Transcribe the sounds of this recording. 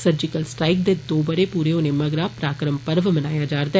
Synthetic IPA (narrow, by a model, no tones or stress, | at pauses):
səɾd͡ʒɪkəlsʈɾaːɪk̚d̪ed̪oːbəɾeːpuːɾeːonẽːməɡɾaːpɾaːkɾəmpəɾʋmənaːjaːd͡ʒaːɾd̪a